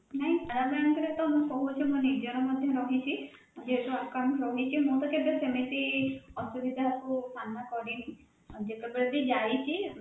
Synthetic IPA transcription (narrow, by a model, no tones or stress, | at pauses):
naɦĩtaɾabɾaɳkɔɾet̪ɔmũkɔɦut͡ʃʰimɔ̃niɾd͡ʒɔɾɔmɔd̪ʱjɔɾɔɦit͡ʃʰi | d͡ʒeɦkuakaɳɾɔɦit͡ʃʰimũt̪ɔked̪esemet̪iɔsubʱid̪ʱakupanakɔɽini | d͡ʒet̪ebeɭed̪id͡ʒajt͡ʃʰi